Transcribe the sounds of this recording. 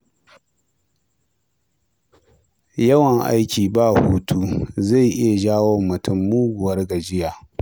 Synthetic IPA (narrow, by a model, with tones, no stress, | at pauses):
jɐ˦wɐ˨ŋʔa̰a̰˦jkʲiː˨baː˦˨huː˦tʰu˦za˦˨jʔɪ˦ja˨ʒaː˦wo˦mːʊ˨tʊ˦˨mːuː˦ɡʷʊ˨wɐ˦rɡɐ˨d͡ʒɪ˦jaː˨